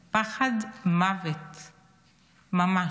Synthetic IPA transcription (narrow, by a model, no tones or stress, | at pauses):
paχad̪mavet̪ | mama